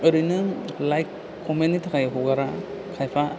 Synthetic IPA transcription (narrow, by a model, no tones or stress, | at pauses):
ɯɾɯjnɯlajkʰː | ɔmenːitʰakajaɦuɡaɾa | kʰajpʰa